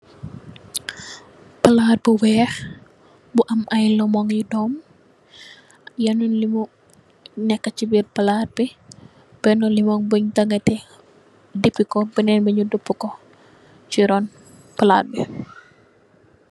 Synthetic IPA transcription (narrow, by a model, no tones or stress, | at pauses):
pɐlat̚buwɛːx | buʔɐmɐjlɔmɔŋjudɔm | janunlimu | nɛkːat͡ʃibirpɐlaːt̚bi | b̥ɛnɔlimɔŋbəɲtaŋɡɐtɛ | dipikɔbənɛnbəɲudupːukɔ | t͡ʃiɾɔn | pəla̰ːt̚bi